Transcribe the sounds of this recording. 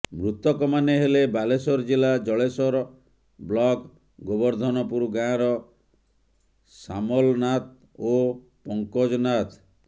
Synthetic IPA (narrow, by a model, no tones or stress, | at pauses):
mɾut̪ɔkɔmaneɦelebalesɔɾɔd͡ʒilad͡ʒɔɭesɔɾɔ | blɔk | ɡɔbɔɾd̪ʱɔnɔpuɾuɡãɾɔ | samɔlnat̪̚ | o | pɔŋkɔd͡ʒɔnat̪